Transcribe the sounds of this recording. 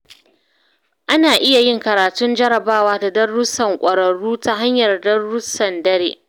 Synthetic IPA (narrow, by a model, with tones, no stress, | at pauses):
ʔa˦naː˨ʔɪ˦ja˨jɪ˦˨ŋkɐ˨ɾaː˨tʊ˦nd͡ʒɐ˦ɾɐ˨baː˦waː˦da˨dɐ˦rːʊ˦sɐ˨ŋkʷʼɐ˨ɾɐ˨ɽuː˦ta˦ɦa˦ɲjɐ˨rdɐ˦rːʊ˦sɐ˨ndɐ˦ɾeː˦ʔ